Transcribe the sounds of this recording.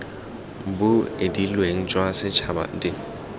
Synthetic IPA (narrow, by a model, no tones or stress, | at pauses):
bʊedilweŋ̩t͡ʃʼwasɪt͡ʃʰaba̰dʼɪ